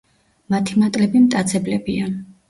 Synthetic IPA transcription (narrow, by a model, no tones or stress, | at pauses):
mat̪ʰimat̪ʼlɛbimt̪ʼat̪sʰɛblɛbia